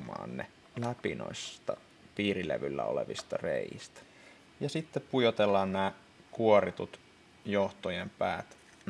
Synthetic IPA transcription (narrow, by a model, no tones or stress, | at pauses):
mɑ̰ːnnḛ | læpino̰isst̪ɑ | piːrilḛʋylːæ̰o̰leʋist̪ɑrḛˑjist̪æ̥ | jɑsit̪ːeppujot̪elːɑːnnæː | kuorit̪ut̪ | joht̪ojempæːt̪